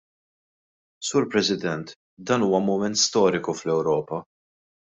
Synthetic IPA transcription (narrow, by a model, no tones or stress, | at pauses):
suːɾpɾɛsɪd̪ɛnt̪ | d̪ɐːnuːwɐmʊmɛnt̪st̪ɔːɾɪkuflɛwɾɔːpɐ